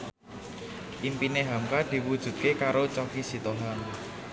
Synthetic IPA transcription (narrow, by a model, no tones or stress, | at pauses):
ʔimpineɦamkad̪̥i̤wud̥ʒ̥ṳt̪̚kekaɾot͡ʃɔkisit̪oɦaŋ